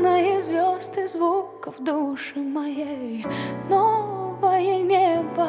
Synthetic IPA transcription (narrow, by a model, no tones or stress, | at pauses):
nɐjɛzvʲɔst̪ɨzvukɐfd̪uʂɨmɐjɛjʊnɔvɐjɛnʲɛbɐ